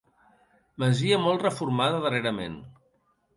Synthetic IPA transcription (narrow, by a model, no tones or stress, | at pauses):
məziəmɔlˠtrəfuɾmaðəðəreɾəmḛn